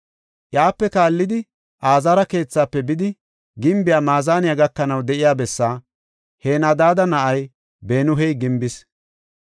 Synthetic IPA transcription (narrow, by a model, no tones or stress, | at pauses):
ʔjaːpːɛkaːlːɪd̪ɪ | ʔaːzaːɾɐke̞ːt͡sːaːpːɛbɪd̪ɪ | ɡɪmbɪjaːmaːzaːnɪjaɡɐkːɐnɐwd̪ɛʔɪjaːbɛsːaː | heːnɐd̪aːd̪ɐnɐʔɐj | beːnʊɦɛjɡɪmbɪs